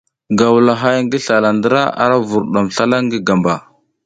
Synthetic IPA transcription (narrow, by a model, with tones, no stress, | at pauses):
ɡa˨wla˨ɦa˦jŋɡi˦ɬa˨la˨ndə˦ɾa˦a̰˦ɾa˦vu˨ɾɗa˨mɬa˦la˦ŋɡi˦ɡa˨mba˨